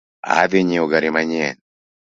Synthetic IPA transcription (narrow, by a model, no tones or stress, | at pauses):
a̰ðiɲioɡaɾimaɲɛn